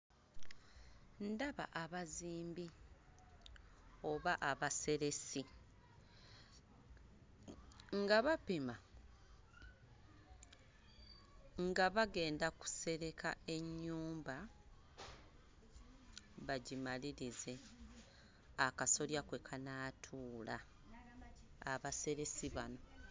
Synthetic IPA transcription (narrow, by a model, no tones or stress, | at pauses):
ndaβa̰ʔaβaziːmbi | o̞βaʔaβase̞ɾe̞si | ŋɡaβapima | ŋɡaβaɡe̞ːndaku̥se̞ɾe̞kae̞ɲːuːmba | βaɟimaliɾize̞ | akaso̞ljakwe̞kʰanaːtʰuːla | βase̞ɾe̞siβano̞